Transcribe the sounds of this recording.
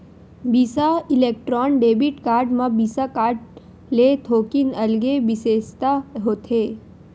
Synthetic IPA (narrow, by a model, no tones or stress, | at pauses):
biːsaɪleːk̚ʈɾɔːnɖeːbiʈkaːɾɖmãbiːsakaːɾɖ | leːt̪ʰoːkinɐlɡebɪseːʃt̪aɦoːt̪ʰeː